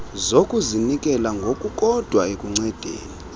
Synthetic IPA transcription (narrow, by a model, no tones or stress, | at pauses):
zokʼuzinikʼɛlaŋɡʱokʼukʼɔd̥ʱwaekʼuŋ͡ǀɛd̥ʱḛːni